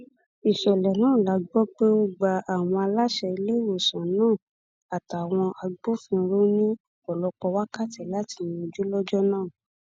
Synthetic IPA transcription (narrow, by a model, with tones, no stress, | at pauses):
i˨ʃɛ˨lɛ˨nãː˦˨la˨˦ɡ͡bɔ˦k͡pe˦o˦ɡ͡ba˧a˨w̃ɔ̃˧a˧la˦ʃɛ˧i˧le˦˨wo˨sã˨nũː˦˨ | a˨ta˨w̃ɔ̃˧ʔa˧ɡ͡bo˦fĩ˧ɾo˦nĩ˦ | ɔ˨lɔ˦k͡pɔ˧wa˦ka˦˨tɛ˨la˦ti˧ĩ˧o˧d͡ʒu˦lɔ˦d͡ʒɔ˦nãː˦˨